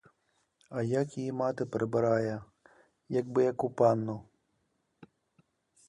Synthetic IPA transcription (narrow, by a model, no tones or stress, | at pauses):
ɐjakjijimat̪ɪpɾɪbɪɾajɐ | jɐɡbɨjɐkupanːu